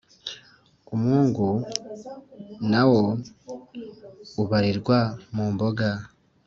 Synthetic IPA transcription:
omuːŋɡu | nawo̞ | uβaɾiɾɡwamuːmboɡa

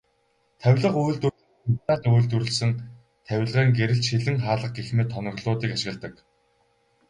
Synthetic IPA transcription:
t̪ʰæwʲɮə̆qujɮt̪u | ut̪aːt̪uːɮt̪uɾɵ̆ɮsɘ̆ŋ | t̪ʰæw̆ʲɮʁæːŋɡeɾɘ̆ɬt͡ɕxiɮɘ̆ŋχaːɮə̆q̚ɡexmeːt̪ʰːɔnɞ̆ɣɮʊːt̪iːkaʃɪ̆ɣə̆ɮt̪ə̆k

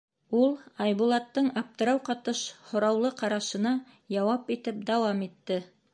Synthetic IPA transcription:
ulˠɑjβulˠɑt̪ːɤɴɑp̚t̪ɤ̆ɾɑwqɑt̪ɤʃhŏɾɑwlˠɤqɑɾɑʃɤ̆nɑ | jɑwɑpit̪ɘp̚d̪ɑwɑmit̪ːɘ

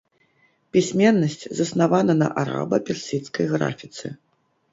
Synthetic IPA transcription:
pʲisʲmʲɛnːɐsʲt͡sʲzɐsnavanɐnɐ̰ʔaɾa̰bɐ̰pʲɛrsʲit̪skɐjɣɾa̰fʲit̪sɨ

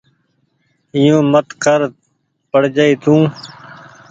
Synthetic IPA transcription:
ijõːmət̪kʰəɾ | pəɽd͡ʒəiːt̪ʰũː

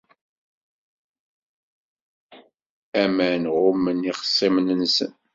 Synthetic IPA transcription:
æmænʁʊmːəniχə̥sˤːimnənsən

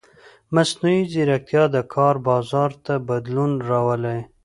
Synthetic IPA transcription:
masnuiziɾak̚t̪jɑd̪əkʰɑɾbɑzɑɾt̪abad̪lunɾawəlaj

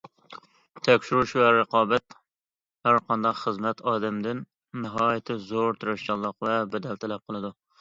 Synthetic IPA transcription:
t̪ʰɛkʲʃiɾuʃvɛɾɨqʰɑːbɛt̪ | hæɾqʰɑnd̪ɑqχəzmɛt̪ʰɑːd̪ɛmd̪ɪnː | ɪɦɑːjɪt̪ʰɪzoɾt̪ʰɨɾɑʃt͡ʃɑlˠːəqvɛbɛd̪ɛlt̪ʰɛlɛp̚qʰəlˠɨd̪u

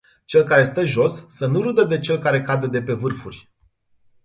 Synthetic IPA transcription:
t͡ʃe̞lkaɾe̞st̪əʒo̞sːənuɾɨd̪əd̪e̞t͡ʃe̞lkaɾe̞kad̪ed̪e̞pe̞vɨrfurʲ

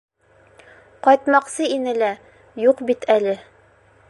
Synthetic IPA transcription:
qɒjt̪mɑqsɤinɘlæ | juqbit̪ælɘ

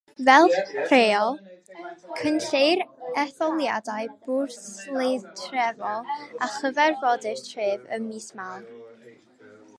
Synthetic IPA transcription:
vɛlˠreːɔlˠ | kʰənɬejɾɛθɔlˠjadajbʊrslˠetʰrɛvɔlˠaχəvɛrvɔdɪrtʰreːvə̰miːsmawn

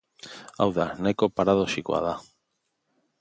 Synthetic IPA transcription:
a̰wðanekopaɾaðoʃikwa̰ða

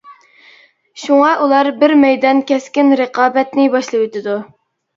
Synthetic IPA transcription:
ʃuŋɑʔulˠɑɾbɪɾmɛjd̪ɑnkʲɛskʲɪnɾəqɑːbɛt̪nɪbɑʃlˠɨwet̪ʰɪd̪u

